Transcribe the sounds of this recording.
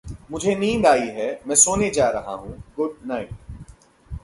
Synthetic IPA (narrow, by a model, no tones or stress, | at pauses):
mʊd͡ʒʱenĩːnd̪aːiɦɛmɛ̃ːsoːned͡ʒaːɾɐɦa̰ɦũːɡʊɖnaːɪʈ̚